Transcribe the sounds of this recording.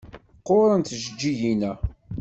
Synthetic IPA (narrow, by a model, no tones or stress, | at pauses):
qːoɾˤənt̪ʒəd͡ʒːijinæ